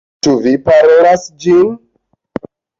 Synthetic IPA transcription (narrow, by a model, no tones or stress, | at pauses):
t͡ʃuvipaɾo̞lasd͡ʒin